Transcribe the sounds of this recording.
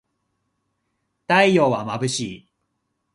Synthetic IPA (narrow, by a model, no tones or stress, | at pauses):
t̪aijoːβamabɯ̟ɕiː